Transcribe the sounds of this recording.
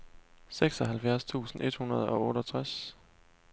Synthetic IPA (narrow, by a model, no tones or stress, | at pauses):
seɡ̥sɒ̽ɦælfjæɐst͡sʰṵːsn̩ʔe̝d̥hunɐð̞̩ˠɒ̽ɔːɾɐt͡sʰʁas